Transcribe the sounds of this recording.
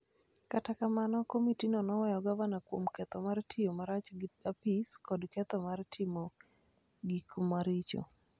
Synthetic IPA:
katakamanɔkomitinɔnɔwɛjɔɡavanakwomkɛt̪ɔmartʰɪjomaɾat͡ʃapiskɔdkɛt̪ɔmartʰɪmo | ɡikmaɾɪt͡ʃo̰

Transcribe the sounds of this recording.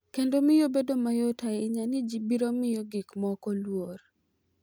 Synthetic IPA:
kendomɪjobedomajɔtaɛɪɲanɪd͡ʒibiɾomɪjoɡikmɔkɔlwor

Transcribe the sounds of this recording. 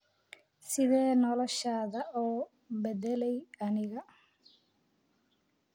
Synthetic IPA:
sɪðɛːnɔlɔʃaːðɐɔː | bɛd̪ɛlɛjɐnɪɣɐ

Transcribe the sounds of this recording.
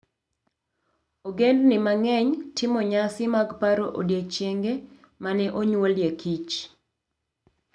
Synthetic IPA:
oɡendnɪmaŋɛɲtʰɪmɔɲasɪmaɡpaɾoʔo̰djet͡ʃjeŋɡe | manɛʔoɲwoljekit͡ʃ

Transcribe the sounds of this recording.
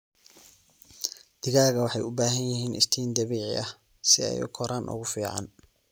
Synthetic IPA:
d̪̥ɪɣaːɣɐwɑħɑjʊbaːɦɐnjɪɦiːnʔɪ̰st̪ʰiːnd̪ɐβiːʕɪ̰ʔɐh | sɪɛ̰jʊ̰kʰɔɾaːnʔʊ̰ɣʊfiːʕɑ̰n

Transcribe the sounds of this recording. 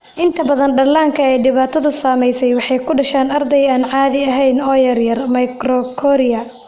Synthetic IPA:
ʔɪnt̪ʰɐbɐðɐnɖɐlaːŋkʰɐɛːɖɪβaːt̪ʰɐðʊsaːmɛjsɛjwɑħɑjkʰʊɖɐʃaːnɐrd̪ɛjaːnʕɑːðɪɐɦɛjnɔːjɐrjɐrmɐjkrɔkʰɔɾɪɐ

